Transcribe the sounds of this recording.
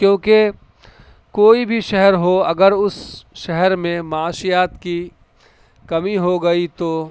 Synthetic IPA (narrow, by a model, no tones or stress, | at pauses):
kjõːke | koːibʱiʃɛɦɛɾɦoɐɡəɾʊsʃɛɦɛɾmẽmɐaːʃijaːt̪ki | kɐmiɦoɡɐit̪oː